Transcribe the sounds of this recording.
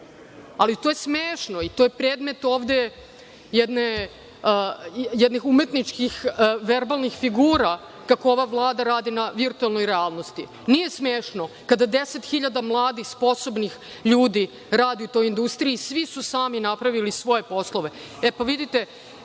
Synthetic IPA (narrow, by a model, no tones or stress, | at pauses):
alit̪ojesmeːʂnoit̪ojepɾeːd̪me̞t̪o̞ːvd̪e̞ | jɛd̪ne | jɛd̪nixume̞t̪nit͡ʃkixʋeɾbalˠnixfiɡuːɾa | kakoo̞ʋaʋlˠaːd̪aɾaːd̪inaʋiɾt̪uelˠno̞jɾeaːlˠno̞st̪i | nije̞smeːʃnokad̪ad̪eset̪xiʎad̪amlˠaːd̪ixspo̞sobnix | ʎuːd̪i | ɾaːd̪iut̪o̞jind̪ust̪ɾiisʋisusaːminapɾaʋilisʋo̞jepo̞slˠo̞ʋe̞epaʋid̪it̪e